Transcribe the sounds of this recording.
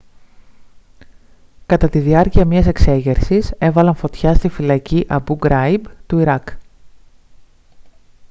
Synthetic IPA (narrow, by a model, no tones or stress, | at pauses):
kɐt̪ɐt̪iðiɐɾciɐmɲɐse̞kse̞ʝe̞ɾsise̞vɐlɐɱfo̞t̪çɐst̪ifilɐciʔɐbuɡɾɐjbt̪uiɾɐk